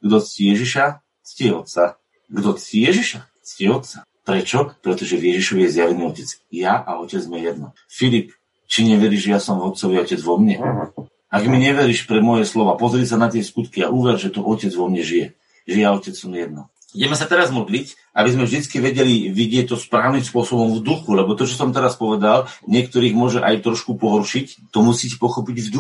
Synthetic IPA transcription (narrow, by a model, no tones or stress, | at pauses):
ɡd̪ɔt͡scijɛʒiʃa | t͡sciɛɔt̪t͡sa | ɡd̪ɔt͡sciːjɛʒiʃa | t͡sciɛɔt̪̚t͡sa | pɾɛt͡ʃɔpɾɛt̪ɔʒɛvjɛʒiʃɔʋijɛzjaʋɛniːɔcɛt͡sjaʔaɔcɛd͡zmɛjɛd̪nɔ | filip | t͡ʃiɲɛʋɛɾiːʒɛjasɔmvɔt̪̚t͡sɔʋiɔcɛd͡zʋɔmɲɛ | aɡmiɲɛʋɛɾiːʃpɾɛmɔjɛslɔʋapɔzɾiːsanat̪ɪɛskut̪kiaʔuːʋɛɾʒɛt̪ɔʔɔcɛd͡zʋɔmɲɛʒijɛ | ʒɛjaɔcɛt͡ssɔmjɛd̪̚nɔ | ɟɛmɛsat̪ɛɾazmɔd̪lic | ʔabizmɛvʒd̪it͡skiʋɛɟɛliʋiɟɪɛc̚t̪ɔspɾaːʊnimspʊɔsɔbɔmvd̪uxulɛbɔt̪ɔt͡ʃɔsɔmt̪ɛɾaspɔʋɛd̪alɲɪɛkt̪ɔɾiːɣmʊɔʒɛʔajt̪ɾɔʃkupɔɦɔɾʃict̪ɔmusiːcpɔxɔpiɟvd̪u